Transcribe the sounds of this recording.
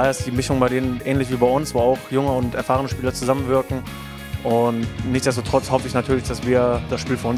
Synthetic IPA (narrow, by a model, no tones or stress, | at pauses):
əɪsd̥iːmɪʃʊŋbaɪdeːnənʔɛːnlɪçv̥iːbaɪʊnsvoːaʊxjʊŋəʊntɛɐfaːʁ̞ənəʃpiːlɐt͡suzamənvɪɐkŋ̩ | ʔʊntnɪçtt͡sz̥ɛstotʁ̥ɔt͡shɔfəɪçnatʰyːɐlɪçd̥asv̥iːɐd̥asʃpiːlfynʊn